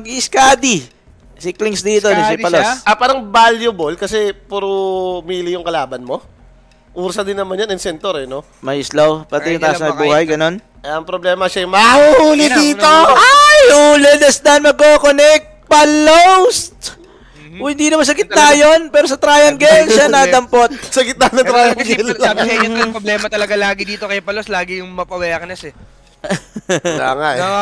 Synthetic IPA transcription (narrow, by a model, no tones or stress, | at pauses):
ɐɡiɪskaːd̪i | siklɪŋsd̪iːt̪onosɪpɐlosɐpaːɾɐŋbaljʊbolkɐsɛpuɾumiːlɪjʊŋkɐlaːbɐnmo̞ | ʔuːɾsɐd̪ɪnːɐmanjanɐŋsɛnt̪oɾɛno | mɐʔɪslowpɐt̪ɪjʊt̪aːsnɐjbuːhɐjɡɐno̞n | ʔɐŋpɾoblɛːmɐʃɐjmɐhuhuːlɪd̪iːt̪oʔajhuːlɛd̪ɐsd̪ɐnmɐɡ̚kːoːkonɛk̚t̪̚pɐlowst̪ː | ɪnd̪iːnɐmɐns̬ɐɡɪt̪̚najonpɛːɾosɐt̪ɾaːjɐŋɡɛlʃanɐd̪ɐmpot̪̚sɐɡɪt̪̚anɐŋt̪ɾaːjɐŋɡɛlɐnɐpɾoblɛːmɐt̪ɐlɐɡalaːɡɪd̪iːt̪okɐjapɐlost̪laːɡɪjʊŋmɐpɐwɐjakɐnɐsɛ | la̰ŋaʔ